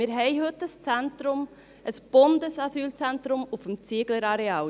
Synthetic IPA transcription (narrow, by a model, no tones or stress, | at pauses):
mɪːɾɦɛɪɦɵt̪ːəst͡sæntɾʊm | ʔəsb̥ond̪əsɑsyːlt͡sɛnt̪ɾʊmufəmt͡siəɡ̥ləɾɑɾeɑː